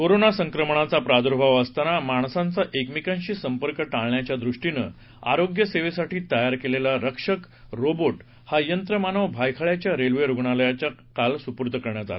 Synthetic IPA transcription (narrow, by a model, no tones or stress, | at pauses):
koɾonasəŋkɾəməɳat͡sapɾad̪uɾbʱaʋəst̪anamaɳsant͡saʔekmikãɲɕiːsəmpəɾkəʈaɭɳjat͡ɕjad̪ɾuʂʈinə̰ | a̰ɾoɡjəseʋesaʈiːt̪əjaɾkelelaɾəkʂək | ɾoboʈ | hajənt̪ɾəmanəʋbʱajkʰaɭjat͡ɕjaɾelʋeɾuɡɳaləjat͡ɕakalsupuɾt̪əkəɾɳjat̪a̰la